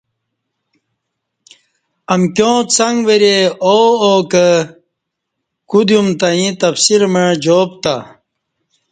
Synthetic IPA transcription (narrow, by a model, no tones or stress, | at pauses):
ɐmkjõːt͡sɐŋɡʋeɾeookə | kud̪jumt̪aĩt̪ɐfsiɾməɻd͡ʑoːp̚t̪a